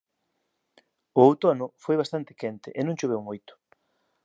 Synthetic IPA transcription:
ʊowt̪onʊfojβast̪ant̪ɪ̥kɛnt̪ɪ̰ʔenõŋt͡ʃoβ̞ewmojt̪ʊ̥

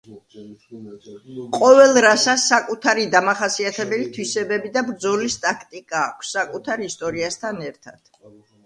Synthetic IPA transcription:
qʼɔvɛlˠɾasasakʼut̪ʰaɾid̪amaχasiat̪ʰɛbɛlit̪ʰwisɛbɛbid̪abɾd̪zɔlist̪ʼakʰt̪ʼikʼaːkʷʰsːakʼut̪ʰaɾist̪ʼɔɾiast̪ʰanɛɾt̪ʰad̪̥

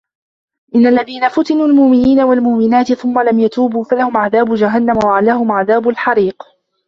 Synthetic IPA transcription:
ʔɪnːalːaðiːnafʊt̪ɪnuːlmʊʔmɪniːnawalmʊʔmɪnaːt̪ɪθʊmːalamjat̪uːbuːfalahʊmʕaðaːbʊd͡ʒaɦanːamwaʕalaːhʊmʕaðaːbʊlħɑɾiːq

